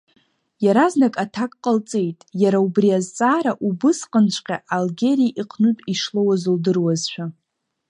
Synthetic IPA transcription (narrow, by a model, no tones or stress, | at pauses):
jaɾaznakʼatʰakʼqʼəlt͡sʼe̞jtʼjaɾaubriazt͡sʼaːɾaʔubɨsqʼənt͡ʃʷʼqʲʼaʔalɡʲe̞ɾijʔiqʼʰnutʼiʂlowazɨldɨrwazʃʷᶣa